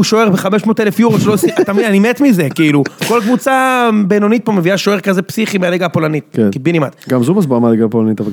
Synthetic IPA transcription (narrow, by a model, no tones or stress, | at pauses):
uʃoeʁbeχameʃmot̪elefjuʁoʃlosit̪amidanimet̪mize̞kiiluko̞lkvut͡sabenonit̪̚pome̞viaʃoeʁkazepsiχimealeɡapo̞lanit̪̚kenkbinima̰t̪ɡamzubas̬bamaleɡapolanit̪ava